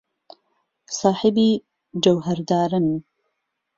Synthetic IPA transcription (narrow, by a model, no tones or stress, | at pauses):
sɑːħɪbiː | d͡ʒɐwɦɐɾd̪aːɾɨn